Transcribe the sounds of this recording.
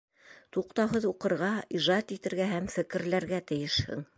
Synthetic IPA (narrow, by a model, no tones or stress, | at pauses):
t̪uqt̪ɑwɦɤðuqɤ̆ɾʁɑiʒɑt̪it̪ɘ̆ɾɡæɦæmfɘ̆kɘ̆ɾlæɾɡæt̪ɘ̆jɘ̆ʃhɘ̰ŋ